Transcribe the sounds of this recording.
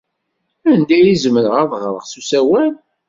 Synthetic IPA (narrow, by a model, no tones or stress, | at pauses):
ænd̪æjizməɾʁɑðˤʁɾˤəʁsusæwæl